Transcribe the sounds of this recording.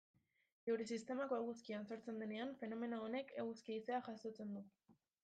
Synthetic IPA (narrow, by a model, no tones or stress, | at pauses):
ewɾis̬ist̪e̞mako̞eɣ̞uskianso̞ɾt͡se̞nd̪e̞ne̞anfe̞no̞me̞noone̞kʰeɣ̞uskiːseaʝasot͡se̞nd̪u